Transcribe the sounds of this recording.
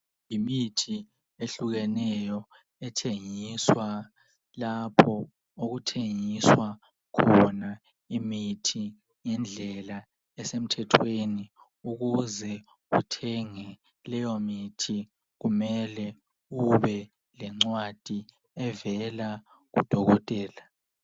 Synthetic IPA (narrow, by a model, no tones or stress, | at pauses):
jimitʰi | eɬuɣɛnɛjɔ | ɛtʰeŋiswa | lapʰɔ | oɣutʰeŋiswa | kʰɔna | imitʰi | ŋɛnd͡ɮʱɛla | ɛsem̩tʰɛtʰweni | uɣuzɛ | ṵtʰɛŋɛ | lɛjomitʰi | ɣumɛlɛ | uβɛ | lɛŋ͡ǀwad̥ʱi | ɛvɛla | ɣṵd̥ʱɔɣɔtʼɛːla